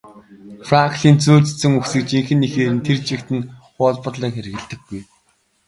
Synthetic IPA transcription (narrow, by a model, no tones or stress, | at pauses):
fraŋkɮiːnt͡suːt͡ɕʰt͡sɘ̆ŋuxsɘ̆kt͡ɕiŋxɘ̆nːixeːɾɘ̆nt̪ʰert͡ɕɪ̆kt̪ɘ̆nχʊːɮpʊ̆rɮəːŋxeɾ̆ɣɘ̆ɮt̪ɘ̆ɡːuj